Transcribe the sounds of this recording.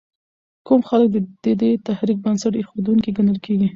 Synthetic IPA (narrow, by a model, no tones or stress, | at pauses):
kumxalək̚d̪əd̪̥ed̪et̪ahɾik̚bənsaʈexod̪uŋkiɡanəlkeɡi